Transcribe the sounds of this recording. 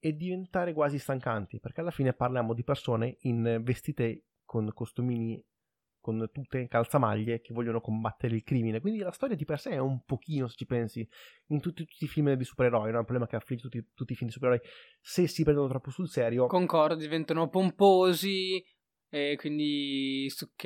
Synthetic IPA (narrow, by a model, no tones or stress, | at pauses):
ed̪ːivent̪aːɾekwaːzist̪aŋkant̪iperkealːafiːneparljaːmod̪ipersoːneinvest̪iːt̪e | kʰonkost̪umiːni | kont̪ut̪ːekalt̪sama̰ʎːek̟evːɔʎːonokombat̪ːeɾeilkɾiːminekwind̪ilast̪ɔːɾjad̪ipersɛɛumpok̟ʰiːnose̥t͡ʃːipɛnsi | int̪ut̪ːiu̥t̪ːifilmd̪isu̥peɾeɾɔjnonɛupɾoblɛmakeafːlid͡ʒːet̪ut̪ːit̪ut̪ːifilmid̪isupeɾeɾɔj | sesipɾɛnd̪onot̪ɾɔpːosulsɛːɾjokoŋkɔrd̪did̪ivɛnt̪anopompoːzi | ɛkwind̪isukː